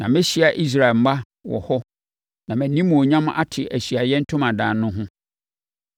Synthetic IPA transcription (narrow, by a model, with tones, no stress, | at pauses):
nã˨mɪ̃˦ɕi˦a˨ʔi˦s̬ɾa˨ɛ˨m̩˨˦ma˦ | wɔ̰˨hɔ˦ | nã˨mæ̃˨nĩ˦mːũ˨o˨ɲã˦m̃˦ʔa̰˦tʰɪ˨ʔæ˨ɕi˨a˨jɛ˦n̩˦tʰʊ̃˦mã˨dãː˨nː˦ʊ̃˦ɦʊ̃˦